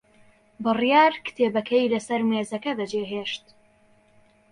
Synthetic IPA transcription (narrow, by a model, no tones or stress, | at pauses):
bɨrijaːɾkɨ̥t̪ʰeːbɐkʰɐjlɐsɐɾmeːzɐkɐd̪ɐd͡ʒeːɦeːʃt̪